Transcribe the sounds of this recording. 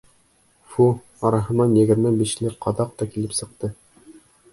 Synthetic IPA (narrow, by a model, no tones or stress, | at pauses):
fu | ɑɾɑɦɤ̆nɑnjɘ̆ɡɘ̆ɾmɘbiʃlɘɾqɑðɑq̚t̪ɑkilɘpsɤ̆q̚t̪ɤ